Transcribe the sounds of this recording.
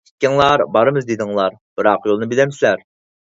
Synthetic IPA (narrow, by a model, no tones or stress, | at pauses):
i̥t̪̚ʲkʲɪŋlˠɑɾbɑɾɨmɨzd̪ed̪ɪŋlˠɑɾb̥ɨɾɑqjolˠnɨbilɛmsɪlæɾ